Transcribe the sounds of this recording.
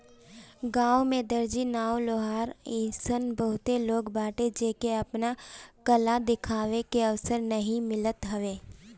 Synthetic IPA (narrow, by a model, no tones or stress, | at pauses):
ɡãːwmẽd̪ɐɾd͡ʒinaːoloːɦaːɾɪ̃sənbəɦʊt̪eloːɡbaːʈed͡ʒeːkeɐpnakɐlad̪ɪkʰaːʋekeɐʋsəɾnɐɦĩmɪlət̪ɦɐʋeː